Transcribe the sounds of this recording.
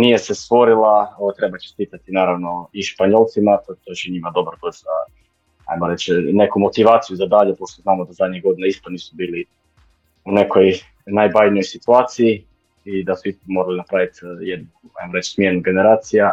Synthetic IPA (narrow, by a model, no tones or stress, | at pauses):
nije̞sest̪ʋo̞ɾilˠaoat̪ɾe̞bat͡ʃest̪iːt̪at̪inaːɾaʋno̞iʃpaɲo̞lˠt̪simat̪ot̪ot͡ɕeɲimad̪o̞bɾkost̪a | a̰jmoɾe̞t͡ɕne̞kumo̞t̪iʋaːt̪sijuzad̪aːʎupo̞ʃt̪oznaːmod̪azad̪ɲiɣɡo̞d̪inaist̪oniːsubiːli | une̞koj | najbajnojsit̪uaːt̪siji | id̪asuist̪omo̞ɾalinapɾaʋit̪jed̪nu | a̰jmoɾe̞t͡ʃsmʲjenuɡe̞neɾaːt̪sija